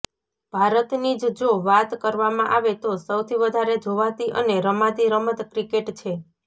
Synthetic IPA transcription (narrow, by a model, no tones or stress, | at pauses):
b̥ʱaɾət̪nid͡ʒd͡ʒoʋat̪kəɾʋamãʔaʋet̪osəwt̪ʰiʋəd̪ʱaɾed͡ʒʱoʋat̪iʔə̰neɾəmat̪iɾəməd̪kɾikeʈt͡ʃʰe